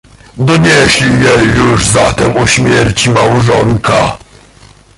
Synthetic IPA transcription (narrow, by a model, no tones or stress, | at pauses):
d̪ɔɲɛɕlʲijɛjuʐzat̪ɛmɔɕmʲjɛɾt͡ɕimawʐɔnka